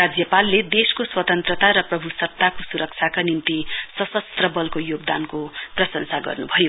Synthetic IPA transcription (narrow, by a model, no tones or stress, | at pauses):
ad͡zjʌpalːed̪eskoswʌt̪ʌnt̪rʌt̪aɾʌprʌbʱusʌt̪ːakosuɾʌk̚t͡sʰjakanint̪isʌsʌst̪rʌbʌlkojoɡd̪ankoprʌsʌnsaɡʌ̰rnubʱʌjo